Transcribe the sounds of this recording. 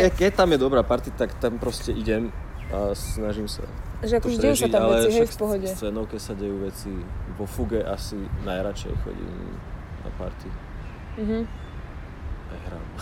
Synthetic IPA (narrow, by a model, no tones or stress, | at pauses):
ɛkɛct̪amjɛd̪ɔbɾaːpaɾt̪it̪akt̪ampɾɔscɛʔiɟɛm | asnaʒimsa̰ʒɛak̪ɔɾɛʒaalɛɦɛfpɔɦɔɟɛt͡sʋɛnɔʊkɛcsaɟɛjuːʋɛt͡siʋɔfuɡɛʔasinajɾat͡ʃɛ̰jxɔ̰ɟḭːm | na̰pa̰ɾt̪i | m̩ɦ̩ | ajɦɾa̰ːm